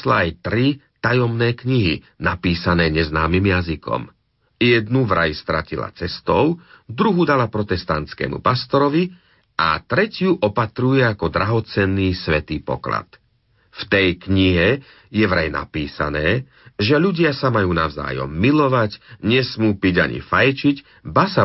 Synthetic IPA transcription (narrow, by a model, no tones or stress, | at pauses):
slaajt̪ɾit̪ajɔmnɛːkɲiɦḭ | napiːsanɛːɲɛznaːmimjazikɔ̰m | jɛd̪nuʋɾa̰jst̪ɾacila̰t͡sɛst̪ɔʊd̪ɾuɦud̪alapɾɔt̪ɛst̪ant̪t͡skɛ̰ːmṵpast̪ɔɾɔʋi | a̰t̪ɾɛcɪuʔɔpat̪ɾujɛakɔd̪ɾaɦɔt͡sɛnːiːsʋɛt̪iːpɔ̰kla̰t̪ | ft̪ɛjkɲiɦɛ | jɛʋɾajna̰piːsa̰nɛː | ʒɛʎuɟɪasamajuːnaʊza̰ːjɔ̰mːilɔʋaɟɲɛsmuːpiɟa̰ɲḭfajt͡ʃic | basa